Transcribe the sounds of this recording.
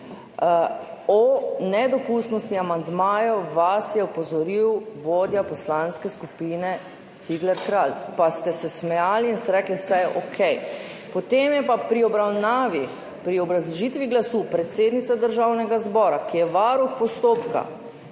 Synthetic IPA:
ɔnɛd̪ɔpust̪nɔst̪iamand̪maːjɔʋasjɛɔpɔzɔɾiwʋoːd̪japɔslanskɛskupinɛ | t̪siɡlɛɾkɾalpast̪ɛsɛsmɛjaːliːnst̪ɛɾɛːkliwsɛjʔɔkʰɛj | pɔt̪eːmjɛpapɾiɔbɾawnaːʋi | pɾiɔbɾazʒit̪ʋiɡlasupɾɛt̪seːd̪nit̪sad̪əɾʒawnɛɡazbɔːɾakijɛʋaɾuxpɔst̪oːpka̰

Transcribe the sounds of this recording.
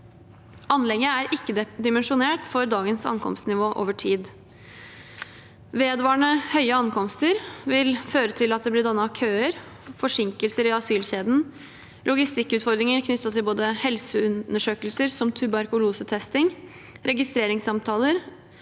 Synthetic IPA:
ʔɑnlɛɡəæɾʔɪkːəd̪ɪmənʂʊneːʈfɔɾd̪ɑːɡənsɑ̰nkʰɔ̰mst̪nɪʋoːʔo̰ːʋəʈʰiːd̪ | ʋeːd̪ʋɑːɳəhœʏəɑnkʰɔmst̪əɾʋɪlføːɾət̪ʰɪlɑt̪̚d̪ɛb̪ɪd̪ɑnːɑkʰøːəɾ | fɔʂɪŋkəlsəɾɪɑsyːlɕeːd̪n̩ | lʔʊɡɪst̪ɪkːʉːt̪fɔɾd̪ɾɪŋəɾkʰnʏt̪ːɑt̪ʰɪlboːd̪əhɛlsəʉnəʂøːkəlsəɾsɔmt̪ʰʉbɑɾkʊluːsət̪ʰɛst̪ɪŋ | ɾɛɡɪst̪ɾeːɾɪŋsɑmt̪ʰɑːləɾ

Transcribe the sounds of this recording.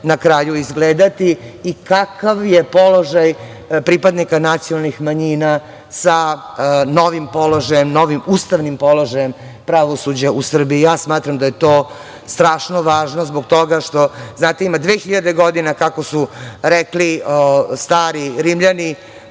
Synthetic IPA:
nakɾaːjuizɡleːd̪at̪iːkakaʋjepo̞lo̞ʒaj | pɾipad̪nikanat̪sijonalnixmaɲina | sa | no̞ʋimpo̞lo̞ʒajemno̞ʋimuːst̪aʋnimpo̞lo̞ʒaje̞m | pɾaʋo̞sud͡ʑausr̩biijaːsmaːt̪ɾamd̪aje̞t̪oː | st̪ɾaːʃno̞ʋaːʒnozbok̚t̪o̞ɡaʃt̪o̞znaːt̪eimad̪ʋeːxiʎad̪e̞ɡod̪inakako̞suɾɛkliost̪aːɾiɾimʎani

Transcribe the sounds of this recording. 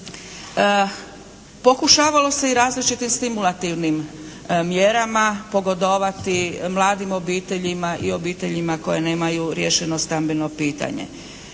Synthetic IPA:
po̞kuʃaːʋalo̞se̞iɾaːzlit͡ʃit̪imst̪imulˠat̪iʋnim | mjeɾamapo̞ɡo̞d̪o̞ʋat̪imlˠaːd̪imo̞biːt̪e̞ʎimaʔio̞biːt̪e̞ʎimako̞je̞ne̞ːmajuɾjeʃeno̞st̪ambeno̞piːt̪a̰ɲḛ

